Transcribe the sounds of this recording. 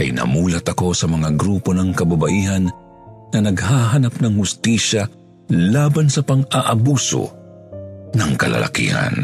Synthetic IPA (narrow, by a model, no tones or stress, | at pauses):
kɐ̰jnɐ̰muːlɐt̪ɐko̞sɐmɐŋaɡɾuːpo̞nɐŋkɐbabɐʔiːɦɐnː | ɐnɐɡhaːɦɐnap̚nɐŋhʊst̪iːʃa | laːbɐnsɐpɐŋaʔɐbuːso̰ | nɐŋkɐ̰lɐ̰lʔa̰kḭːhɐ̰n